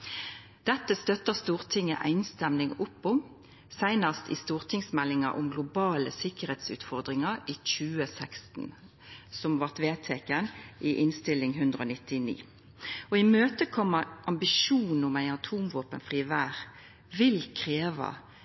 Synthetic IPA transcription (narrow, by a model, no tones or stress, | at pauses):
d̪̥ɛt̪ːəst̪œt̪əʁst̪uːʁt̪ʰɪŋːə̰ʔæ̰ɪnst̪ɛmnɪŋʊpːʊm | sæɪnəst̪ḭst̪uːʁt̪ʰɪŋsmɛlːɪŋɑ̰ʔʊ̰mɡlʊbɑːləsɪkəʁeːt̪sʉ̰ːt̪fɔʁd̪ʁɪŋɑʁiːc͡çʉːəsɛkst̪n̩ | sɔmʋɑʁt̪ʋeːt̪ʰeːkənʔiʔɪnst̪ɪlːɪŋɦʉnd̪ʁəoːnɪt̪ɪnḭː | ɔɪmøːt̪əkʰɔmːəʔɑmbɪʃuːnn̩ʊmæɪɑt̪ʰuːmʋoːpənfʁiːʋæːʁ | ʋɪlkʰʁeːʋɑ̰